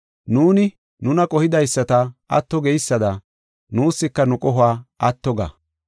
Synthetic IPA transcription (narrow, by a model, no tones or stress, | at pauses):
nuːnɪ | nʊnɐkʼɔhɪd̪ɐjsːɐt̪ɐɐ̰t̪ːɔɡɛjsːɐd̪ɐ | nuːsːɪkːɐnʊkʼɔɦʊaːɐt̪ːɔɡa̰